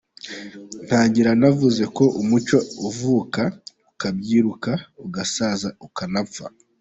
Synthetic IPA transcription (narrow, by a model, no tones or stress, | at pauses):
n̥haːɲɟiɾanavuze̞ko̞ʔumut͡ʃwouvuːka | ukab̚ɟiːɾukauɡasaːzaukanafa̰